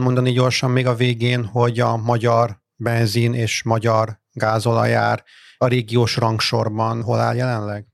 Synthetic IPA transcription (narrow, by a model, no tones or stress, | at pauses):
mo̞nd̪ɒniɟo̞rʃɒmːeːɡɒveːɡeːnho̞ɟɒmɒɟɒr | bɛnzineːʃmɒɟɒr | ɡaːzo̞lɒ̰ja̰ːr | ɒɾeːɡijoːʃrɒŋkʃo̞rbɒnɦo̞la̰ːljɛlɛnlɛɡ